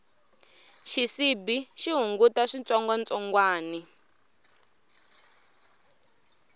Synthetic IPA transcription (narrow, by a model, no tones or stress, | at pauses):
ʃisibiʃiɦuŋɡutaʂint͡sɔŋɡwant͡sʼɔŋɡwaːni